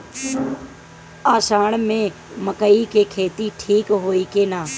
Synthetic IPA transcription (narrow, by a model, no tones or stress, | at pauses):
aːʃaːɳ̃mẽ | məkəikeːkʰeːt̪iʈʰiːkɦoːiːkeːnaː